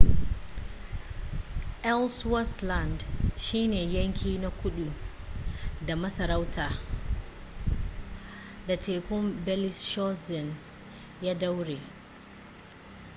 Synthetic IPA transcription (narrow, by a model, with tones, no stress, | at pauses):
ʔɛ˦lswa˦θla˨ndʃiː˦neː˨jɐ˦ŋkʲiː˦na˦˨kʷʊ˦ɗu˨ | da˨mɐ˦sɐ˨ɾa˦wtʰaː˨ | da˨tʰeː˨kʷʊ˦mbɛ˦lɪ˦sʃɔ˦sɛ˨n | jaː˦da˦wɽeː˨